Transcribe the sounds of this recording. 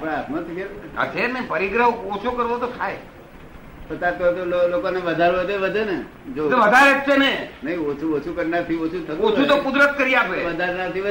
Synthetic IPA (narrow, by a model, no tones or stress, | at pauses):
apɽ̃eat̪mət̪kʰeə̰t̪ʰeɾmẽpəɾiɡɾəɦot͡ʃʰokəɾʋot̪ot̪ʰaj | pət̪at̪ot̪ololokoneʋəd̪ʱaɾʋəd̪eʋəd̪ʱene | d͡ʒot̪eʋəd̪ʱaɾet̪senenəĩot͡ʃʰuot͡ʃʰukəɾnaɾt̪ʰiot͡ʃʰut̪ʰəot͡ʃʰut̪okud̪ɾət̪kəɾiapeʋəd̪ʱaɾnat̪ʰiʋə